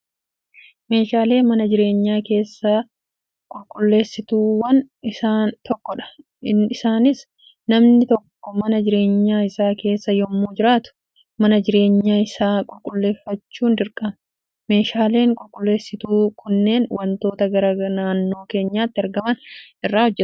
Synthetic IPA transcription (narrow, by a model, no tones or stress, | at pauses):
me̞ːʃaːle̞ːmɐnɐd͡ʒɪɾe̞ːɲːaːke̞ːsːa | kʼʊlkʼʊlːe̞ːsːɪt̪uːwɐn | ɪsaːnt̪ɔkːɔᶑɐ̥ | ɪɪsaːnɪs | nɐmnɪt̪ɔkːɔmɐnɐd͡ʒɪɾe̞ːɲːaːɪsaːke̞ːsːɐjɔmːuːd͡ʒɪɾaːt̪ʊ̥ | mɐnɐd͡ʒɪɾe̞ːɲːaːɪsaːkʼʊlkʼʊlːe̞ːfːɐt͡ʃːuːnd̪ɪɾkʼɐmɐ | me̞ːʃaːle̞ːŋkʼʊlkʼʊlːe̞ːsːɪt̪uːkʰʊnːe̞ːnwɐnt̪o̞ːt̪ɐɡɐɾɐɐnaːnːo̞ːke̞ːɲːaːt̪ːɪɐɾɡɐmɐnɪrːaːhɔd͡ʒːɛt̪